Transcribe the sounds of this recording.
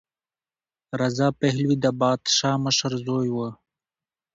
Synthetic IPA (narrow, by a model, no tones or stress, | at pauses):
ɾazɑːpeɦlwid̪abɑːd̪ʃɑːməʃəɾzoːjwə